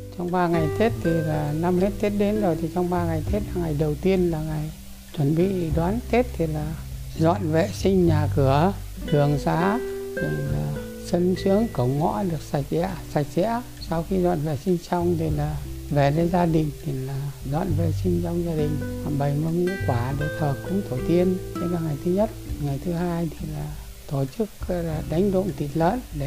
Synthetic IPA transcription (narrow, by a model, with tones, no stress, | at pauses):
t͡ɕɔ˧wŋ͡mɓaː˧ŋa˨˩jt̪ʰe˦˥t̚t̪ʰi˨˩laː˨˩na˧mhe˦˥t̚t̪ʰe˦˥t̚ɗe˨˦nzo˨˩jt̪ʰi˨˩t͡ɕɔ˧wŋ͡mɓaː˧ŋa˨˩jt̪ʰe˦˥t̚laː˨˩ŋa˨˩jɗə˨˩wt̪i˧ənlaː˨˩ŋa˨˩j | t͡ɕwə˨˩nɓḭ˧˨˧ɗwaː˨˦nt̪e˦˥t̚t̪ʰi˨˩laː˨˩ | zwa̰ː˧˨nvɛ̰˧˨sï˧ŋ̟ɲaː˨˩kɨ˧˩ə | t̪ʰɨ˨˩əŋsaː˨˦t̪ʰi˨˩˨laː˨˩ | sə˧nsɨ˨˦əŋkə˧˩wŋ͡mŋɔ̰˧˥ɗɨ˨˩ək̚sa˨˩jk̟̚zɛ̰˧˨əsa˨˩jk̟̚zɛ̰˧˥ə | sa˧wxi˧zwa̰ː˧˨nvḛ˧˨sï˧ŋ̟sa˧wŋ͡mt̪ʰi˨˩laː˨˩ve˨˩ne˨˦zaː˧ɗï˨˩ŋ̟t̪ʰi˨˩laː˨˩zwa̰ː˧˨nvḛ˧˨sï˧ŋ̟t͡ɕɔ˧wŋ͡mzaː˧ɗï˨˩ŋ̟a˨˩ɓə˨˩jmə˧nṵ˧˥kwaː˧˩ɗe˧˩t̪ʰəː˨˩kːʊ̰˧˥ŋ͡mt̪ʰo˧˩t̪i˧ənt̪e˨˧˦laː˨˩ŋa˨˩jt̪ʰɨ˨˦ɲə˦˥t̚ŋa˨˩jt̪ʰɨ˨˦haː˧jt̪ʰi˨˩laː˨˩ | t̪o˧˩t͡ɕɨ˦˥k̚laː˨˩ɗa˨˦jŋ̟ɗʊ̰˧˨ŋ͡mt̪i˨˩t̚lə̰ː˧˨nɗe˧˩